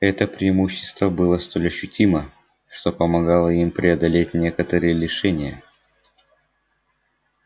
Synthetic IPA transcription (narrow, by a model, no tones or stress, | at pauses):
ɛt̪əpɾʲɪɪmuɕːɪ̥st̪vəbɨlˠəst̪o̞lʲɐɕːʉtʲimə | ʂt̪o̞pəmɐɡalˠəimpɾʲʔɪɐd̪ɐlʲetʲnʲe̞kət̪əɾɨjəlʲɪʂɛnʲɪjə